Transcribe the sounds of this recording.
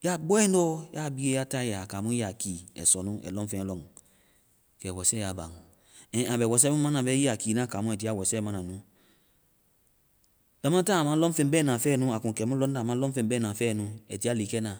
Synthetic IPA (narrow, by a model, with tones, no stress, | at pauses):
ja˦bɔ˦ɛ˦n˦dɔ˦ja˦˨bi˧˦e˧˦ja˦ta˦ja˨kaː˨mũ˦i˦a˨ki˨ɛ̰˨sɔ˨nũ˦ʔɛ̰˨lɔ̃˦fɛ̃˧˨lɔ˦ŋ | kɛ˨wɔ˨sɛ˦ja˨ba̰˨ŋ˨ | ɛ̃˨a˨bɛ˨wɔ˨s̬ɛ˦mũ˦mã˦nã˨bɛ˦ji˦a˨kiː˨nã˦˨kaː˨mũ˦ɛ˨t̬i˦a˦˨wɔ˨sɛ˦mã˦nã˨nũ˨˦ | d̥a˨mã˦ta˦˨a˨mã˦lɔ˦fẽ˧˦bɛ˦nã˨fɛː˦˨nũ˨˦a˨kũ˨kɛ˨˦mũ˦lɔ˦n˦da˨mã˦lɔ˦fẽ˧˨bɛ˦nã˨fɛː˦˨nũ˨ɛ˨ti˨˦a˦li˨kɛ˦nã˨